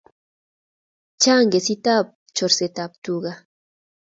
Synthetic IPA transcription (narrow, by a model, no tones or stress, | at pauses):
t͡ʃaŋɡesit̪ap̚t͡ʃoɾset̪ap̚t̪uɢa